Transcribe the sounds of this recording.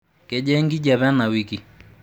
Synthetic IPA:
ke˦d͡ʒɛ˦ŋɡi˦d͡ʒa˨βɛ˦na˨wi˨ki˨

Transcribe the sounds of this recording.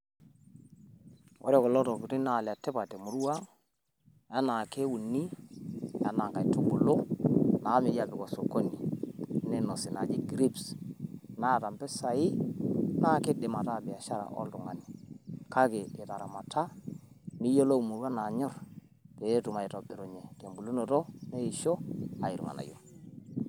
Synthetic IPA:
wɔ̰˦ɾɛ˦˨kɔ˨lɔ˦tɔ˨ku˨ɾi˦na˦˨la˨tːɛ˦pa˨te˨mu˨ɾu˦wa˦ | a˦na˨ke˦wu˨ni˦ | a̰˦na˨ŋka˨i˨tu˦ɡʊ˨lo˦na˨˦me˨˦d͡ʒa˨bɪ˨kɔ˨so˨ko˦ni˨ne˦nɔ˨sɪ˨na̰˨d͡ʒɪ˦ɡɾi˦ps | na˦˨ta˨mpɛ˦sa˨i˦na˦˨ke˦ɗe˨ma˨ta˦˨bi˨a˨ʃa˦ɾa̰˨ʔɔ̰˦ltu˨ŋa˨ni˨ka˦keː˨ta˨ɾa̰˨ma˨tʰa˦ni˦jo˦lo˦u˨mu˨ɾwa˦na˨ɲɔ˦ɾ | pe˨e˦tu˨ma˨i˨tɔ˨bɛ˨ɾo˨ɲɛ˨ke˨mbu˨lu˦no˨tɔ˦ne˦i˨ʃo˦a˨i˨ɾṵ˨ŋa̰˨na̰˨jo̰˦

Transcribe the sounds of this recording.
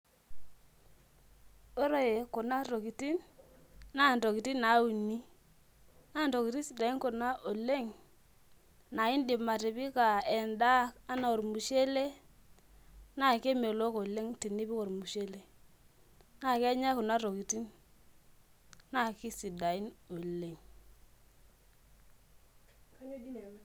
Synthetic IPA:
o˦ɾo˦je˨ko˨na˦ɾo˨ki˨ti˦n | na˦˨n˨to˨ki˨ti˦na˨˦u˨ni˦ | na˦˨n˨to˨ki˨ti˦si˨da˨i˦nko˨na˦ʔo˨le˦ŋ | na˨i˦ndi˨ma˨ti˨pi˦ka˨ɛ˨nda˦ka˦na˨o˨ɾmu˨ʃe˦le˦ | na˦˨ke˦me˨lo˦ko˨le˦ŋti˨nːi˦pi˦ko˨ɾmu˨ʃe˦le˨ | na˨ke˦ɲa˦ku˨na˦to˨ki˨ti˦n | na˦ki˦si˨da˨i˦no˨le˦ŋ

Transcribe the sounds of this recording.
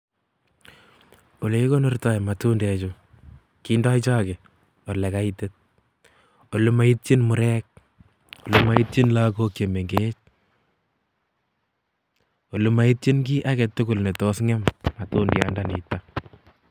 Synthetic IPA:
o˨le˦ko˦nɔrta˨jma˨tundɛ˨t͡ʃo | kinda˦it͡ʃa˦ke˨ | olɛ˨kaitet̚ | o˨lu˦ma˨it̚t͡ʃɪ˦nmʊ˨ɾɛk̚ | o˨luma˦i˦t̚t͡ʃi˦nlakokje˨me˨ŋɡet͡ʃ | o˨luma˦it̚t͡ʃɪ˦nk̬i˦ʔa˦kɛtːʊ˦ku˨lne˨tosŋɛ˦mmatu˦nda̰ndanḭta

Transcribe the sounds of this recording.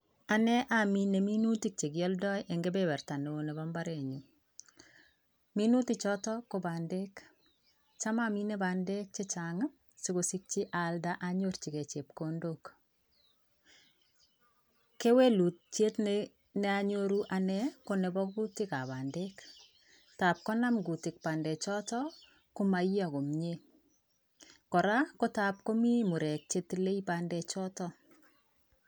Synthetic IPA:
a˨nɛ˦ʔami˦ne˨mi˦nu˦ti˦k̚t͡ʃe˨ɡjɔ˦ldɔ˦jʔeŋɡebɛbɛ˨rta˨ne˨o˨nɛ˨bamba˦ɾe˨ɲu | mi˦nu˦ti˦t͡ʃɔ˦tɔ˦ko˨bande˦k | t͡ʃa˦mami˦nɛ˦ba˨nde˦k̚t͡ʃe˦t͡ʃaŋ | si˦kosi˦k̚t͡ʃi˦ʔaldaʔaɲo˦ɾt͡ʃi˨kɛ˨t͡ʃe˨p̚kondok | ke˦we˦lu˨t̚t͡ʃe˦t | nɛaɲoɾuʔanɛkonɛ˨bɔku˦tɪ˦ka˨βa˨ndek | ta˨p̚kɔ˦na˦mɡu˨tɪ˨k̚pa˨ndɛ˨t͡ʃɔ˦tɔ | kʊma˨jja˨ko˨mɲe | kɔ˨ɾa˦ko˦ta˨p̚ko˦mi˦mu˨ɾɛ˨k̚t͡ʃe˦tile˦ipandɛt͡ʃɔ˦tɔ

